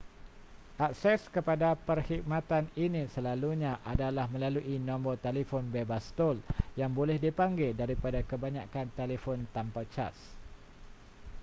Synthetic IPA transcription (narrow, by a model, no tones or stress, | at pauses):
ʔak̚sɛskəpadapərhik̚mãt̪aninĩsəlaluɲãʔadalahmə̃laluʔinɔ̃mbɔt̪elefɔnbebast̪oljaŋbolɛhdipaŋɡɪldaɾipadakəbaɲakant̪elefɔnt̪ampat͡ʃa̰s